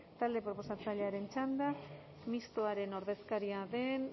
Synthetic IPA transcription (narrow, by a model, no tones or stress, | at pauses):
t̪ald̪e̞pɾo̞po̞sat͡saʎeaɾe̞nt͡ʃand̪a | mist̪oaɾe̞no̞ɾðe̞skaɾiaðe̞n